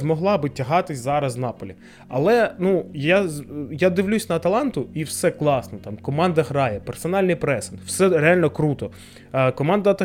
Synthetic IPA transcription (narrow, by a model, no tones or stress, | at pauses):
zmɔɦlˠɑbɪtʲɐɦɑt̪ɪsʲzɑɾɐzwnɑpɔlʲi | ɐlˠɛnujajad̪ɪwlʲusʲnɐɐt̪ɐlˠɑnt̪ʊiwsɛklˠɑsnɔt̪ɑmkɔmɑnd̪ɐɦɾɑjɛpersɔnɑlʲnɪjpɾɛsɪnw̥sɛɾeɑlʲnɔkɾut̪ɔ | kɔmɑnd̪ɐɐt̪ɐ